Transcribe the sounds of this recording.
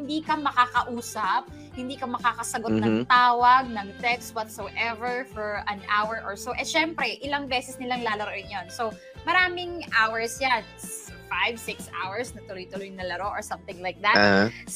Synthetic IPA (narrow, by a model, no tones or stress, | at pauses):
hɪnd̪iːkɐmɐkaːkɐʔuːsɐp̚ | hɪnd̪iːkɐmɐkaːkɐsɐɡot̪̚nɐŋt̪aːwɐɡ̚nɐŋt̪ɛkst̪̚wɔt̪sowʔɛvɛɹfɔɹʔɐnʔawɛɹʔɔɹsoʔɛʃɛmpɾɛʔɪlɐŋbɛːsɛsnɪlaŋlaːlɐɾoʔɪŋjonso | mɐɾaːmɪŋʔawɛɹsjan | fajvsɪksa̰wɛɹsnɐt̪ʊlʊjt̪ʊlʊjnɐlɐɾoʔɔɹsɐ̃mθɪ̃ŋlajk̚d̪at̪̚